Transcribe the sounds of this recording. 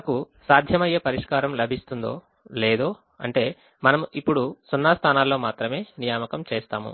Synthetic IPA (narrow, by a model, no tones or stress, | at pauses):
naku | saːd̪ʱjɐmɐjeːpɐɾiʂkaːɾɐmlɐbʱist̪und̪o̞̰ː | leːd̪o̞ː | ɐ̰ɳʈe̞ː | mɐnɐmipːuɽusunːast̪ʰaːnaːlːo̞ːmaːt̪ɾɐme̞ːnijaːmɐkɐmt͡ʃeːst̪aːmṵ